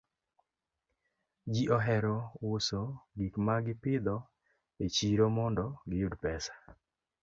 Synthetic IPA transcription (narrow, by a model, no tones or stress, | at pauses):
d͡ʒiʔɔɦɛɾɔwʊsɔɡikmaɡɪpɪd̪ɔ | et͡ʃiɾomɔndɔɡɪjudpɛsḁ